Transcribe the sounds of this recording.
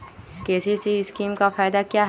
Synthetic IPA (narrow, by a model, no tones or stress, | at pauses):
keːsisiskiːmkafʰaːjd̪akijaɦ